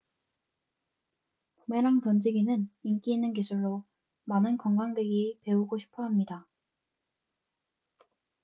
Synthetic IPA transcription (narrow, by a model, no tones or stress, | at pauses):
pomeɾaŋtʌnd͡ʑiɡinɯnink͈iːnːɯnk̬isʰuɭːo | manɯnkʌŋɡaŋdwe̞ɡipe̞uɡoɕʰi̥pʰʌɦamɲida